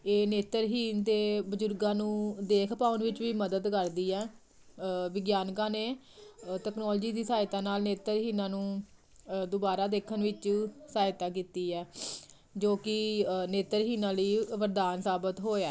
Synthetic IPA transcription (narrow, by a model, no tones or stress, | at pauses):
eːneːt̪əɾɦiːnt̪eːbəd͡ʒʊɾɡãːnũːd̪eːkʰpaːʊnʋɪt͡ʃʋiːməd̪əd̪kəɾd̪iːɛː | ʋɪɡjaːnkãːneː | ʈɛːknɔːld͡ʒiːd̪iːsaːt̪aːnaːlneːt̪əɾɦiːnãːnũː | d̪obaːɾaːd̪eːkʰənʋɪt͡ʃsaːjɪt̪aːk̬iːt̪iːɛː | d͡ʒoːkɪneːt̪əɾɦiːnãːləiːʋəɾd̪aːnsaːbət̪ɦoːaː